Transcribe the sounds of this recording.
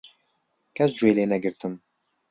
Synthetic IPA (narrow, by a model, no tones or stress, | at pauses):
kɛsd͡ʒuejleːnɛɡɪɾt̪ʰɪm